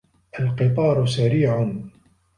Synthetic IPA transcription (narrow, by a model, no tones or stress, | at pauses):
ʔalqɨt̪̬ˤɑːɾˤʊsaɾiːʕʊn